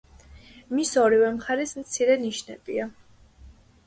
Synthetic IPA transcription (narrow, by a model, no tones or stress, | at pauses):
misɔɾivɛmχaɾismt̪sʰiɾɛniʃnɛ̰bia